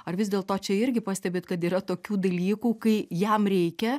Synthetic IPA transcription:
ɐrʋʲɪzd̪ʲeːlˠt̪oːt͡ʃʲɛɪɾʲɡʲɪpɐːsʲt̪ʲɛbʲeːt̪kɐt̪iːɾɐt̪oːkʲuːd̪ɐlʲiːkuːkɐɪjɛmɾʲɛɪkʲɛ

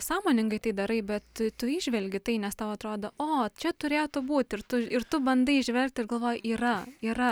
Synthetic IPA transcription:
sɑːmoːnʲɪŋɡɐɪt̪ɐɪd̪ɐɾɐɪbʲɛt̪t̪ʊiːʒʲʋʲɛlʲɡʲɪt̪ɐɪnʲɛst̪ɐʊɐt̪ɾoːd̪oʔoːt͡ʃʲɛt̪ʊɾʲeːjt̪ʊbuːt̪ʲɪrt̪ʊɪrt̪ʊbɐnd̪ɐɪɪʒʲʋʲɛlʲk̚t̪ʲɪrɡɐlˠʋoːjʔiːrɐiːɾɐ

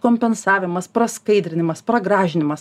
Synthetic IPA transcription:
koːmʲpʲɛnsɑːʋʲɪmɐspɾɐskɐɪd̪ʲɾʲɪnʲɪmɐspɾɐɡɾɑːʒʲɪnʲɪmɐs

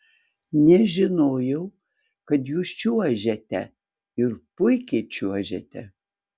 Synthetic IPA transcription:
nʲɛʒʲɪnoːjɛw | kɐt̪juːst͡ʃuɐʒʲɛtʲɛ̰ | ɪrpʊjkʲet͡ʃʰuɐʒʲɛ̰t̪ʲʰɛ

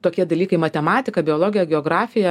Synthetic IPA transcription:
t̪oːkʲiɛd̪ɐlʲiːkɐɪmɐt̪ʲɛmɑːt̪ʲɪkɐbʲɪoɔlˠoːɡʲɪjɛɡʲɛoːɡɾɑːfʲɪjɛ

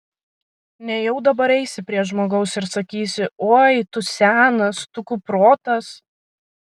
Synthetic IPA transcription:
nʲɛjɛʊd̪ɐbɐɾɛɪsʲɪpʲɾʲiɛʒmoːɡɐʊsɪɾsɐkʲiːsʲɪoːjt̪ʊsʲæːnɐst̪ʊkʊpɾoːt̪ɐs

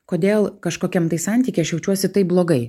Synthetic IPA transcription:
koːd̪ʲeːlˠkɐʃkoːkʲɛmt̪ɐɪsɐnʲt̪ʲiːkʲɛɪɐʃjɛʊt͡ʃʲuɔsʲɪt̪ɐɪp̚blˠoːɡɐɪ

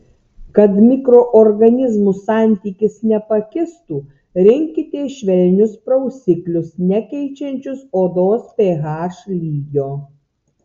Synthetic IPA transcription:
kɐt̪mʲɪkɾoːʔɔɾɡɐnʲɪzmusɑˑnʲt̪ʲiːkʲɪsnʲɛpɐkʲɪst̪uː | ɾʲɪŋʲkʲɪt̪ʲeːʃʲʋʲɛlʲnʲʊspɾɐʊsʲɪklʲʊsnʲɛkʲɛɪt͡ʃʲɛnʲt͡ʃʲʊsoːd̪oːspʲeːɣɑːʃlʲiːɡʲoː

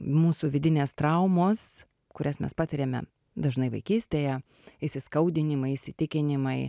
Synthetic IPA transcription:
muːsuʋʲɪd̪ʲɪnʲeːst̪ɾɐʊmoːs | kʊɾʲɛsmʲɛ̰spɑːt̪ʲɪɾʲeːmʲɛ̰ | d̪ɐʒnɐɪʋɐɪkʲiːsʲt̪ʲeːjɛ | ɪsʲɪskɐʊd̪ʲɪnʲɪmɐɪɪsʲɪt̪ʲɪkʲɪnʲɪmɐɪ

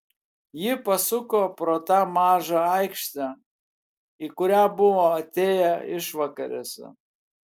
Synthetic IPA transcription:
jɪpɐsʊkoːpɾoːt̪ɑmɑːʒɑɐɪkʃʲt̪ʲæ | ikʊɾʲæːbʊʋoːɐt̪ʲeːjæɪʃʋɐkɐɾʲḛsʲɛ̰

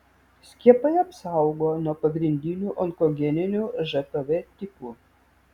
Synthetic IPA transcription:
sʲkʲiɛpɐɪɐpsɐˑʊɡoːnuɔpɐɡɾʲɪnʲd̪ʲɪnʲuːʔɔŋkɔɡʲɛnʲɪnʲuːʒɛt̪oʋʲet̪ʲɪpuː

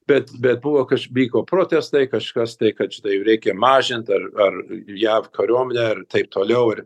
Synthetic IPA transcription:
bʲɛt̪bʲɛt̪̚bʊʋoːkɐʃʋʲiːkoːpɾoːt̪ʲɛst̪ɐɪkɐʃkɐst̪ɐɪkɐt̪t͡ʃʲɪt̪ɐɪɾʲɛɪkʲɛmɑːʒʲɪnt̪ɐrɐrjæːʋkɐɾʲuɔmʲɛnʲɛːɐrt̪ɐɪp̚t̪oːlʲɛʊɪr

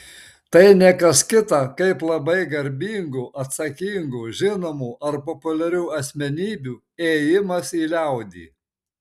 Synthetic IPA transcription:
t̪ɐɪnʲɛkɐskʲɪt̪ɑkɐɪplˠɐbɐɪɡɐɾʲbʲiːŋɡuːʔɐt̪sɐkʲiːŋɡuːʒʲɪnoːmuːʔɐɾpɔpʊlʲɛɾʲuːɐsʲmʲɛnʲiːbʲuː | eːjɪmɐsiːlʲɛʊd̪ʲḭː

